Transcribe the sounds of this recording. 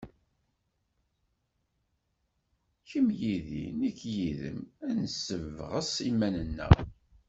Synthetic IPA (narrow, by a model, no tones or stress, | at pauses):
çəmjiðḭnikːjiðə̰mænəsːəvʁəsimænənːæ̰